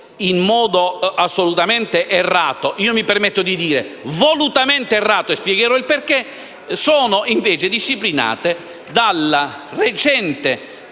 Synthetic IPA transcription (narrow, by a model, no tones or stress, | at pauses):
inmɔːd̪oasːolut̪ament̪eʔerːaːt̪oʔiːomipermet̪ːod̪id̪iːɾḛvolut̪ament̪eerːaːt̪oespjɛɡeɾɔilperke | soːnoʔiɱveːt͡ʃed̪iʃːiplina̰ːt̪e | d̪alaret͡ʃɛnt̪e